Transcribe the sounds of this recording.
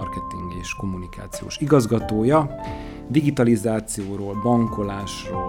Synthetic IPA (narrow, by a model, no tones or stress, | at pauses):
rkɛt̪iŋɡeːʃko̞munika̰ːt̪sijo̰ːʃiɡɒzɡɒt̪oːjɒ | d̪iɡit̪ɒlizaːt̪sijoːɾoːlbɒŋko̞laːʃroː